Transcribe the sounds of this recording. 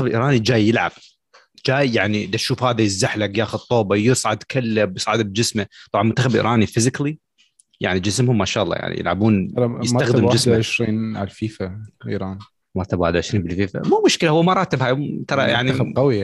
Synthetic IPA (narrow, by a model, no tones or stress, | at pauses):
abʔḭːɾˤɑːnid͡ʒaːjːɪlʕa̰b̥̚ | d͡ʒaːjjaʕnid̪aʃuːfhaːðajɪzːaħlakjaːxʊd̪̚t̪ˤːoːbajɨsˤʕad̪kʰalːabjɨsˤʕɪd̪ab̚d͡ʒɪsmat̪ˤɑbʕɑnmʊnt̪ːaxabʔḭːɾʔɑːnifɪzɪkli | ja̰ʕnid͡ʒɪsmhʊmːaʃaːlˤːɑ̰ja̰ʕnḭjɪ̰lʕa̰buːnljɪsmaxd̪ɪmd͡ʒɪsʕɪʃɾiːnʕa̰lfiːfaʔḭːɾˤɑːn | maɾt̪abaħd̪ʕɪʃɾiːmbɪlfiːfa̰mumʊʃkɪlahʊwːamɑɾˤɑːt̪ɪbhaːjt̪ɑɾˤɑja̰ʕniqawi